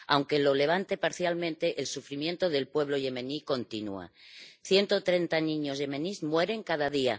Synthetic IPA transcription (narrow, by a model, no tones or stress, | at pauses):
awŋke̞lo̞le̞β̞ant̪e̞paɾθjalmẽ̞nt̪e̞ʔelsufɾimje̞nt̪o̞ðe̞lpwe̞β̞lo̞ʝe̞mẽniko̞nt̪inua̰θje̞nt̪ot̪ɾe̞nt̪anĩɲozʝe̞mẽnizmwe̞ɾe̞ŋkaðaðia